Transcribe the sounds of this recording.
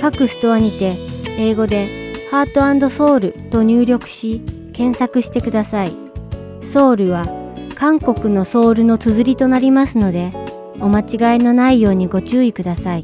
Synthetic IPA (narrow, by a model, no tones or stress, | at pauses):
kakɯ̟sɨ̥t̪o̞βaɲ̟it̪e̞eːɡo̞d̪e̞haːt̪o̞ãnd̪o̞so̞ːɾɯ̟t̪o̞ɲ̟ɨːɾʲo̞kɯ̟̥ɕi | kẽ̞ɰ̃sakɯ̟ɕi̥t̪e̞kɯd̪asai | so̞ːɾɯ̟βa | kãŋko̞kɯ̟no̞so̞ːɾɯ̟no̞t͡sɨzɨɾʲit̪o̞naɾʲimasɨno̞d̪e̞ | o̞mat͡ɕiɡaino̞naijo̞ːɲ̟iɡo̞t͡ɕɨːikɯ̟d̪asai